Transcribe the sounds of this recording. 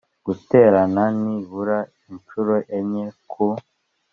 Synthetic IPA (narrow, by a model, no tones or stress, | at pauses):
ɡ̥uteɾananiβuɾa | int͡ʃuɾoʔeɲekʰu